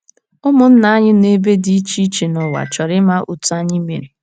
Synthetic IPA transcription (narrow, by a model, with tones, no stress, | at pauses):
ʊ˦mʊ˨n̩˦na˨˦a˦ɲɪ˦ne˦be˦di˦i˦t͡ʃi˦t͡ʃe˨nɔ˨wa̰˨t͡ʃɔ˨ɾɪ˦ma˦ʔṵ˨tu˨˦a˦ɲɪ˦me˨ɾi˨